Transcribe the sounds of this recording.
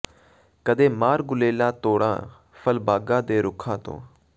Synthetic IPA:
kəd̪eːmaːɾɡʊleːlãːt̪oːɽã̰ː | pʰəlbaːɡãːd̪eːɾʊkʰãːt̪õ̰ː

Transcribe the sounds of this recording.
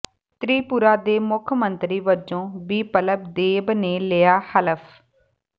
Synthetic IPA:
t̪ɾiːpuɾaːd̪eːmʊkʰmənt̪ɾiːʋəɾd͡ʒõːbiːpələb̚d̪eːbneːlɪːaːhələpʰ

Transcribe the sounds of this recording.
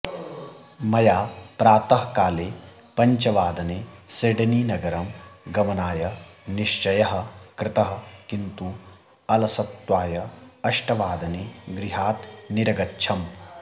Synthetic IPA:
mɐjaːpɾaːt̪ɐɦkaːleː | pɐɲt͡ʃɐʋaːd̪ɐneːseɖɐniːnɐɡɐɾɐmɡɐmɐnaːjɐniʃt͡ʃɐjɐɦɐ̆kɾɪt̪ɐɦɐ̆kint̪u | ɐlɐsɐt̪waːjɐɐʃʈɐʋaːd̪ɐneɡɾɪɦaːt̪niɾɐɡɐtːʃʰɐm

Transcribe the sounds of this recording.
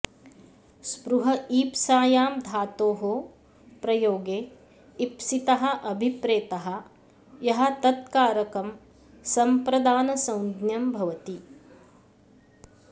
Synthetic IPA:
spɾuɦɐiːpsaːjaːmd̪ʱaːt̪oːɦoː | pɾɐjoːɡeː | ipsit̪ɐɦɐ̆ʔɐbʱipɾeːt̪ɐɦɐ̆ | jɐɦɐ̆t̪ɐt̪̚kaːɾɐkɐm | sɐmpɾɐd̪aːnɐsɐ̃wnd̪njɐmbʱɐʋɐt̪i

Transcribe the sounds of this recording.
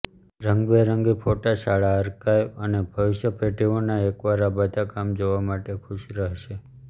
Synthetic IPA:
ɾəŋɡbeɾəŋɡipʰoʈaʃaɭaəɾkajənebʱəʋɪʃjəpʰeʈiʋonaekʋaɾabəd̪ʱakamd͡ʒoʋamaʈekʰuʃɾəɦʃe

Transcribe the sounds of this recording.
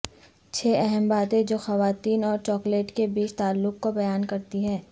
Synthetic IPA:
t͡ʃʰeːɛɦɛmbaːt̪ẽd͡ʒoːxɐʋaːt̪iːnɔːɾt͡ʃɔːkleːʈkebiːt͡ʃt̪aːlːʊkkobɐjaːnkɐɾt̪iɦɛː

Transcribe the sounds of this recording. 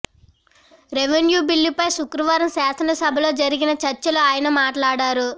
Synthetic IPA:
ɾeʋenjuːbilːipɐjʃukɾɐʋaːɾɐmsaːsɐnɐsɐbʱɐlo̞ːd͡ʒɐɾiɡinɐt͡ʃɐɾt͡ʃːɐluaːjɐnɐmaːʈlaːɽaːɾu

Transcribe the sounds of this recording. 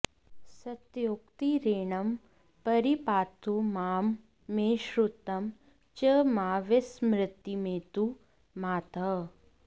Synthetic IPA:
sɐt̪joːkt̪iɾeːɳɐm | pɐɾipaːt̪umaːmː | eːʃɾut̪ɐm | t͡ʃɐmaːʋesmɾɪt̪jimeːt̪u | maːt̪ɐ

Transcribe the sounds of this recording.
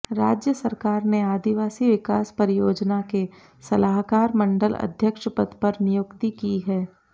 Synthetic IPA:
ɾaːd͡ʒjəsɐɾkaːɾneaːd̪iʋaːsiʋɪkaːspəɾɪjoːd͡ʒnake | sɐlaːɦkaːɾmɐ̃ɳɖəlɐ̰d̪ʱjəkʃpət̪pɐɾnɪjʊkt̪ikiɦɛː

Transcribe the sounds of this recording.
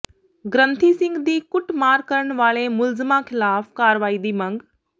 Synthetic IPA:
ɡɾə̃nt̪ʰisɪ̃ŋɡd̪iːkʊʈmaːɾkːəɾəɽ̃ʋaːɭemʊlzmakʰɪlaːfkaːɾʋaːiːd̪iːmɐ̃ŋɡ

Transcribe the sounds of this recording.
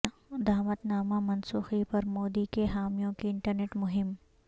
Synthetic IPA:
d̪aːmət̪naːmamɐnsuːxipɐɾmoːd̪ikeɦaːmijõkiɪ̃ɳʈəɾneːʈmʊɦɪm

